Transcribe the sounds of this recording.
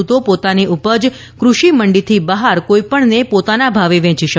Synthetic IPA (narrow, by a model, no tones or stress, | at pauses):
ut̪opot̪aniʔupəd͡ʒ | kɾuʃiməɳɖit̪ʰibəɦaɾkoipəɳnepot̪anabʱaʋeʋɛ̃t͡ʃiʃə